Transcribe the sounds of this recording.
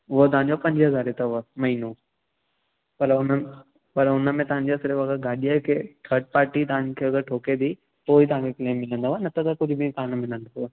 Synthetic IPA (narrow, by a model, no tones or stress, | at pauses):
ot̪ɐʋãɲd͡ʑopɐ̃ɲd͡ʑɦɐzaːɾet̪ʰɐɦəmɐɦinõ | pɐɾʊnə | pɐɾʊnə̆mẽt̪ɐɦãːɲd͡ʑosɪɾəfɐɡəɡaːɗijakʰeʈ̪ʰəɾʈ̚paːɾʈit̪̬ɐɦãnkʰeɐɡəɾʈʰoːked̪iː | poːit̪ɐɦãkʰekleːmːɪlə̃nd̪aɦanɐt̪ʰɐt̪ɐkʊd͡ʑʱbʱikaːnəmɪlə̃nd̪aɦʊa